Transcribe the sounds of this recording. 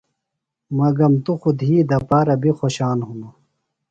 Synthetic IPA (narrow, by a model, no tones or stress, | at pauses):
mɐɡɐmt̪uxud̪ɦiːd̪ɐpaːɾɐbʱixoɕaːnɦunu